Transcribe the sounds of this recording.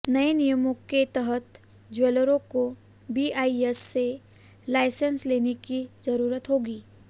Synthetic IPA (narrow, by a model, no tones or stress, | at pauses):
nɐenijəmoket̪əɦət̪ | d͡ʒweːləɾõko | biʔaːiesːe | laːɪsənsleːnekizɐɾuːɾət̪ɦoːɡiː